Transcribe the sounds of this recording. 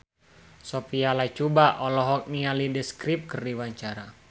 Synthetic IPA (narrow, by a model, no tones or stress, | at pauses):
sopialait͡ʃubaʔɔlɔɦɔk̚nialidəskɾip̚kərdiwaɲt͡ʃaɾa